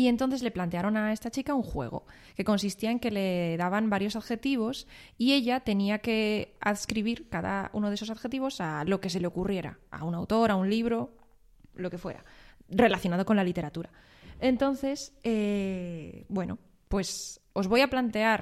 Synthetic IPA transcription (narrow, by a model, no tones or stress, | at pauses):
ie̞nt̪o̞nθe̞zle̞plant̪e̞aɾo̞nae̞st̪at͡ʃikauŋxwe̞̰ɣ̞o̞̰ | ke̞ko̞nsist̪iae̞ŋke̞le̞ðaβambaɾjo̞saðxe̞t̪iβ̞o̞sie̞ʎat̪e̞niake̞a̰ðskɾiβ̞iɾkaða̰ṵno̞ð̞eso̞s̬aðxe̞t̪iβ̞o̞salo̞ke̞se̞leo̞kurje̞ɾa̰a̰unawt̪o̞ɾaunliβ̞ɾo̞ | loke̞fwe̞̰ɾa̰re̞laθjonað̞o̞ko̞nlalit̪e̞ɾat̪uɾa | e̞nt̪o̞n̟θe̞se | bwe̞no̞̰ | pwe̞s | o̞zβo̞japlant̪e̞aɾ